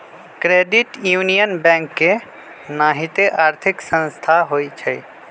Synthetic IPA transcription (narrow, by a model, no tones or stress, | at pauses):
kɾeɖiʈjunijənbɛ̃ŋkːe | naɦit̪eʔaːɾt̪ʰiksə̃nst̪ʰaɦojt͡ʃʰəj